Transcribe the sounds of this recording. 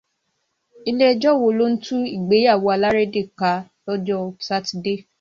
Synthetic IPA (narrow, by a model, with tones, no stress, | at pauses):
i˧le˦d͡ʒɔ˦˨wo˧˨lo˦n̩˦tũ˦i˦˨ɡ͡be˨˦a˦˨wo˨˧a˧la˦ɾe˦de˦˨ka˨˧lɔ˦d͡ʒɔ˦˨sa˦ti˨de˦˨